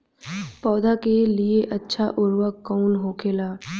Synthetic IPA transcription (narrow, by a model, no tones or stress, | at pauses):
pɔːd̪akelieʔɐtːʃʰaʔʊɾwəkːɔːnɦoːkʰeːlaː